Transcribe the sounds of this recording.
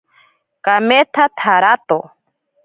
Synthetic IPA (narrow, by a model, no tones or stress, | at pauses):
kamet̪ʰat̪ʰaɾat̪o